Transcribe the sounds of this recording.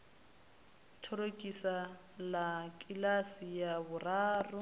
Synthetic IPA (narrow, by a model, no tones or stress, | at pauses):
tʰɔɾokʼisa | lakʼilasijabʊraːrʊ